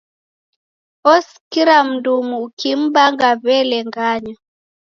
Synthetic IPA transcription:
ɔs | kiɾam̩dumuːkim̩baŋɡaβɛlɛŋɡaɲa

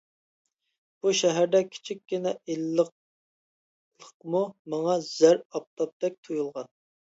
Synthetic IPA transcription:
b̥uʃɛɦæɾd̪ɛkʲʰɪ̥t͡ʃʰikʲːinɛelːəq̚ | lˠəqmumɑŋɑz̥æɾɑp̚t̪ʰɑp̚t̪ɛk̚ʲt̪ʰojulˠʁɑn

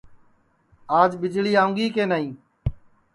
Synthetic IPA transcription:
aːd͡ʒɓɪd͡ʒɭiːaːʊ̃ŋɡiːkeːnaːĩː

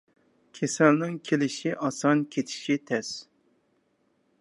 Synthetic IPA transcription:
kʲʰesɛlnɪŋkʲʰelɪʃiʔɑsɑnkʲʰet̪ʰɪ̥ʃit̪ʰɛs

